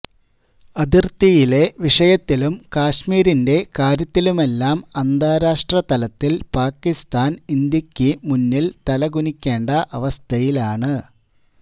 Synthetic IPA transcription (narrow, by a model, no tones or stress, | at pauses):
ɐd̪irt̪ijile̞ʋiʂɐjɐt̪ːilumkaːɕmiːɾinde̞kaːɾjɐt̪ːilume̞lːaːmɐnd̪aːɾaːʂʈrɐt̪ɐlɐt̪ːilpaːkːist̪aːnind̪jɐkʲːɨmunːilt̪ɐlɐɡunikʲːe̞ːɳɖɐʔɐʋɐst̪ʰɐjilaːɳɨ